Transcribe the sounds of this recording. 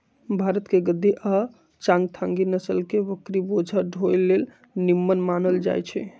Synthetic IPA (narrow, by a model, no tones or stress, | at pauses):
bʱaɾət̪keɡəd̪ːiʔa | t͡ʃãŋɡt̪ʰãŋɡinəsəlkeʋəkɾibod͡ʒʱəɖʱojlːel | nimːənmanəld͡ʒa̰jt͡ʃʰɛ